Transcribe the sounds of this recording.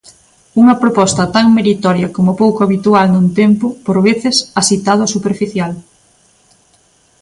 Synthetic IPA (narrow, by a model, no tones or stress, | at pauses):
uŋɐpɾopɔst̪ɐt̪aŋmeɾit̪ɔɾjɐkomʊpowkoaβit̪ualnunt̪empʊpoɾβeθɪsasit̪að̞ʊsupeɾfiθjal